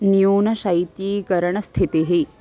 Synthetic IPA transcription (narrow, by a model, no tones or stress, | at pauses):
nijuːnɐʃɐit̪iːkɐɾɐɳɐst̪ʰit̪iɦi